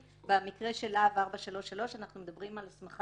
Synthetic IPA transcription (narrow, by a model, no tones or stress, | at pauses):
bamikʁe̞ʃe̞lavaʁbaʃalo̞ʃalo̞ʃanaχnume̞d̪abʁimalasmaχ